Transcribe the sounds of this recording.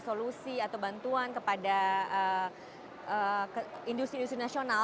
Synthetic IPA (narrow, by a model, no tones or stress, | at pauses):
solusiat̪awbant̪uankəpadaə | ʔəkindust̪ɾindust̪ɾinasiona